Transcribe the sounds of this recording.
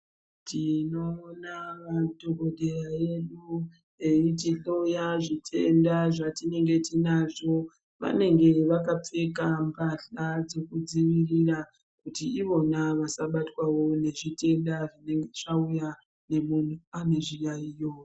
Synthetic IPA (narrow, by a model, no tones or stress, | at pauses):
tʰino̞ːnaʋado̞ɡo̞ɗe̞raeɗu | eitiɬojaʐitʰe̞̰ndaʐatine̞ŋɡe̞tinaʐo̞ | ʋa̰ne̞ŋɡe̞ʋakap͡fe̞kambʱaɬad͡ze̞kud͡ziʋirira | kutiiʋo̞naʋasaɓatwawo̞ne̞ʐite̞ndaʐine̞ŋɡe̞t͡ʃauja | ne̞mun̤uane̞ʐijaijo